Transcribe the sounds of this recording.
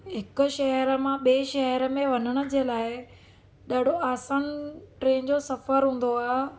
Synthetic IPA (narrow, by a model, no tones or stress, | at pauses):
ɦɪkʊʃɐɦəɾəmãɓeːʃɐɦəɾəmẽʋɐnəɽ̃ʊ̆d͡ʑeːlaːɪ | ɗaːɖ̤ʱoaːsaːnʈɾẽːnd͡ʑosɐfəɾɦũːn̆d̪oaː